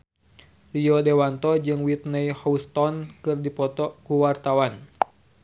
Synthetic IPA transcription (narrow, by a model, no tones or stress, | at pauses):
liɔdɛwant̪ɔd͡ʒɨŋwit̪nəjhɔust̪ɔnkɨrdipɔt̪ɔkuwart̪awan